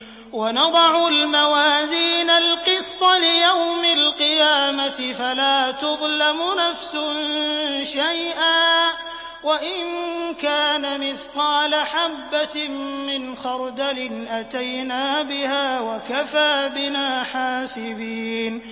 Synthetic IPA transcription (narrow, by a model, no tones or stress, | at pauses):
wanɑd̪ˤɑʕʊlmawaːziːnalqɨst̪ˤɑlɪjawmalqɪjaːmat̪ɪfalaːt̪ʊɣlamʊnafsʊnʃajʔaː | waʔɪnkaːnamɪθqɑːlaħabːamɪnxɑɾˤd̪alɪnʔat̪ajnaːbɪhaːwakafaːbɪnaːħaːsɪbiːn